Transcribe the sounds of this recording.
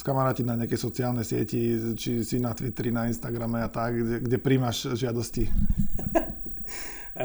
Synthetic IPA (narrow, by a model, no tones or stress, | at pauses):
skamaɾaːcinaɲɛakɛjsɔt͡sɪaːlnɛjsɪɛcit͡ʃisinat̪ʋit̪ɾinainst̪aɡɾamɛat̪akɛɡɟɛpɾiːmaʃʒɪad̪ɔsci